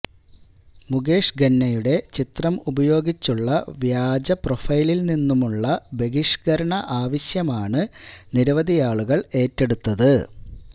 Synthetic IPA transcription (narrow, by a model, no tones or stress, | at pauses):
muɡeːʂɡɐnːɐjuɽe̞t͡ɕit̪rɐmubɐjo̞ːɡit͡ɕːuɭːɐʋjaːd͡ʑɐprofɐjlilninːumuɭːɐbe̞ɡiʂɡɐɾɐɳɐʔaːʋɐɕjɐmaːɳɨniɾɐʋɐd̪ʱijaːɭuɣɐɭe̞ːtːe̞ɽut̪ːɐðɨ